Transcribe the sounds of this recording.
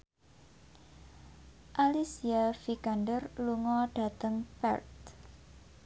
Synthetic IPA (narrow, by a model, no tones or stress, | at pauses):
ʔalisiafikanɖərluŋɔɖ̥a̤t̪əŋpɛ̰rt̪